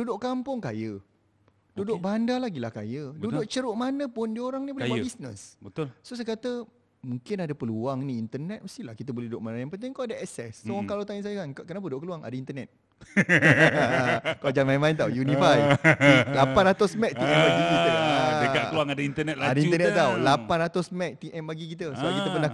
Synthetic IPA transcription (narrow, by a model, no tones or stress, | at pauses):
dudʊʔkampʊŋkajə | dudʊʔ̚bandalaɡilahka̰jədudʊʔt͡ʃəɾʊʔmanəpʊndioɾaŋnibolɛabisnə̰sbət̪ʊlsos̬ajkat̪ə | muŋkɪnadapəluaŋniːnt̪ənɛt̪̚məst̪ilakit̪əbolɛhdudʊʔ̚manəjaŋpənt̪̬ɪŋkawadaɛsɛssokalawt̪aɲəsajəkankkənapəudʊʔkəluaŋa̰daint̪ənɛt̪̚ | kawd͡ʒanmajmãint̪awjunifaj | lapanɾat̪ʊsmɛk̚t̪iɛ̃npaɡitiəaəkaəluaŋadaint̪ənɛt̪̚laadaint̪ənɛt̪t̪ːawlapanat̪ʊsmɛk̚t̪iʔɛnpaɡik̬it̪̬əsəbaʔkit̪əpəna